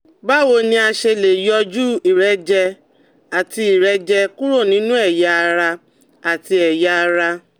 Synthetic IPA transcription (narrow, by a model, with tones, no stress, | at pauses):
ba˦˨wo˨˧˨nĩ˦a˧ʃe˧le˨jɔ˧d͡ʒu˦i˨ɾɛ˨˦d͡ʒɛ˧ | a˨ti˧i˨ɾɛ˧˦d͡ʒɛ˧ku˦ɾo˦˨nĩ˨˦nũ˦ɛ˦˨ja˧a˧ɾa˧ | a˨ti˧ɛ˨ja˧a˧ɾa˧